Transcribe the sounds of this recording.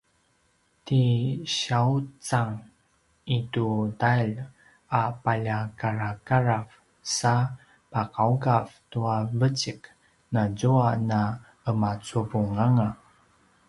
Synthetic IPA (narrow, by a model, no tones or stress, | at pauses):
tiɕaut͡saŋ | itudail | apaʎakaɾakaɾav | sa | paqauɡavtuavət͡ɕik | nazuana | əmat͡suvuŋaŋa